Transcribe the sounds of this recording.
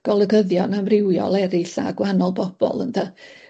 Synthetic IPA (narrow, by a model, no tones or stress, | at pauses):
ɡ̥ɔlˠəɡəðjɔnamrɪwjɔ̰lˠɛɾɪɬa̰ɡwanɔlˠbɔb̥ɔ̰lˠə̰nda